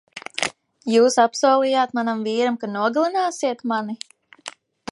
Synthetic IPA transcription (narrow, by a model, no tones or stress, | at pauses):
juːsapsuːlˠijaːt̪manamviːɾamkanuɔɡlˠinaːsiɛt̪mani